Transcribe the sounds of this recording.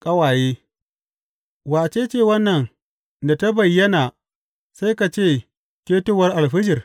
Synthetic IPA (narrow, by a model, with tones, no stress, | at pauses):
kʼɐ˦waː˨jeː˦ | waː˨t͡ʃeː˦t͡ʃeː˦˨wɐ˦nːɐ˨n | da˨ta˦bɐ˨jːɐ˦naː˨ | sa˦jka˨t͡ʃeː˦˨ | keː˦tʊ˦˨wɐ˦rʔa˨lɸɪ˦d͡ʒɪ˨r